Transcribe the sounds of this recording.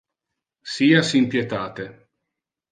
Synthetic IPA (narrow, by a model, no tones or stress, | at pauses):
siːasimpjet̪aːt̪e